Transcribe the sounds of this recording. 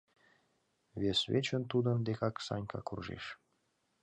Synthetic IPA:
βʲesβʲet͡ɕə̆nt̪ud̪ə̆nd̪ekɑksɑ̰nʲkɑ̰kurʒḛʃ

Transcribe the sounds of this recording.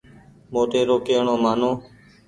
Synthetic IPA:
moːʈeːɾoːkeːɳoːmaːnõː

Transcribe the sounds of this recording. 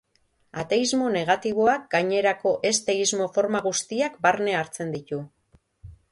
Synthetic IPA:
at̪e̞izmo̞ne̞ɣ̞at̪iβ̞o̞ak̚ɡaɲe̞ɾako̞ʔe̞st̪e̞izmo̞fo̞ɾmaɣ̞ust̪iakbaɾne̞aɾt͡se̞nd̪it̪u

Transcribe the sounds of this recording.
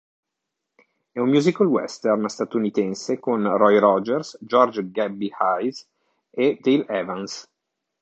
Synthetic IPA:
ɛummjuːzikalwɛ̰st̪ɛrnst̪at̪unit̪ɛnsekonrɔjɾɔd͡ʒɛrsd͡ʒɔrd͡ʒɡɛbːihajs | ed̪ejlɛvans

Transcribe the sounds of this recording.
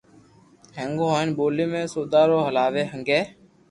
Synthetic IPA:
ɦeŋɡõːɦoːɪnɓoːliːmẽːsoːd̪aːɾoːɦəlaːʋeːɦəŋɡeː

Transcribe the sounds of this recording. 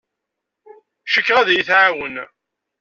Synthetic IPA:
ʃəkːʁaðæjiθʕawən

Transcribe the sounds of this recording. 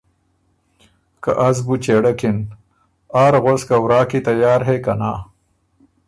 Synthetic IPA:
kaʔɐzbut͡ɕeɽɐkin | aːɾɣoskawɾaːkit̪ɐjaːɾɦekɐnaː

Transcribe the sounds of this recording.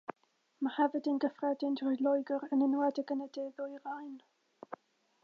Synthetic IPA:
mahɛvədɪnɡəfrɛdɪndrɔjlˠɔjɡɔɾənənwɛdɛɡənədeːðʊjrajn

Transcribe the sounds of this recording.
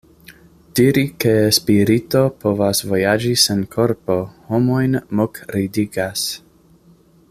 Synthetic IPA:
d̥iɾikespiɾito̞po̞vasvo̞jad͡ʒisenkʰo̞ɾpo̞homo̞jnmokɾidiɡas

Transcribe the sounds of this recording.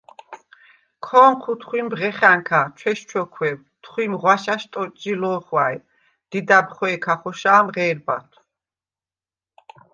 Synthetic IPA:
kʰɔːnqʰut̪ʰχwimbʁɛχaŋkʰat͡ʃʰwɛʃt͡ʃʰɔkʰwɛw | t̪ʰχwimʁwaʃaʃt̪ʼɔt͡ʃʼilɔːχwaj | d̪̥id̪abχɛɛkʰaχɔʃaːmʁɛːɾba̰t̪ʰw

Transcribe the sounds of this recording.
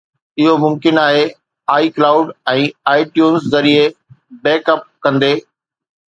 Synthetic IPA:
ɪɦomʊ̃mkɪnaːɦe | aːiklaːʊɖɛ̃ːaːɪʈjuːnszɐɾiebeːkəp̚kɐ̃nd̪eː

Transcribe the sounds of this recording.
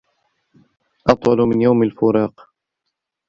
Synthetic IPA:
ʔɑt̪ˤwɑlmɪnjawmalfʊɾɑːq

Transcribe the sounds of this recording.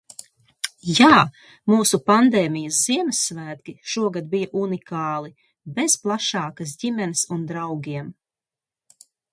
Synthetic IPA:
jaː | muːsupand̪eːmijɐsz̥iɛmɪsːvæːd̪ɡʲiʃuɔɡad̪̚bijaʔunikaːlˠi | besplˠaʃɑːkas̬dimɛnisund̪ɾawɡʲiɛm

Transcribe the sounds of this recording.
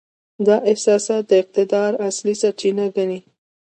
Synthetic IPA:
d̪ɑʔɪhsɑsɑt̪̚d̪əɪq̚t̪ɪd̪ɑɾaslisaɾt͡ʃinaɡani

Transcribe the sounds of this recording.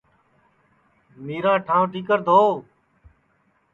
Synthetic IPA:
miːɾãːʈʰãːʋʈiːkəɾd̪ʱoː

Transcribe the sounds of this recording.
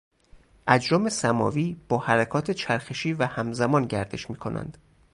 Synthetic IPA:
ʔæd͡ʒɾɒːmesæmɒ̰ːviːb̥ɒːhæɾækʰɒːt̪ʰe̞t͡ʃʰæɾxeʃiːvæhæmzæmɒːnɟæɾd̪e̞̰ʃmiːkʰo̞nʔæ̰nd̪̥

